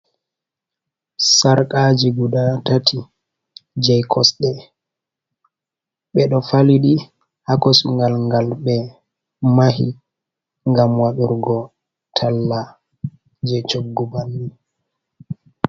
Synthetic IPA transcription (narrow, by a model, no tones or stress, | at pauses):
saɾkʼad͡ʒiɡudatatʰi | d͡ʒɛjkʰɔsɗɛ | ɓɛɗɔfaliɗi | hakɔsuŋɡalŋɡalɓɛ | maɦḭ | ŋɡamwaɗuɾɡɔ | tʰalːa | d͡ʒɛt͡ʃoɡːubanːi